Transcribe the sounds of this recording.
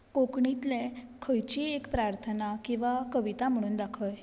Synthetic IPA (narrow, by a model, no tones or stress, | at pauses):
kokɳit̪lekʰəjt͡ɕiekpɾaɾt̪ʰənakĩw̃ʋakəʋit̪am̤əɽ̃uːnd̪akʰəj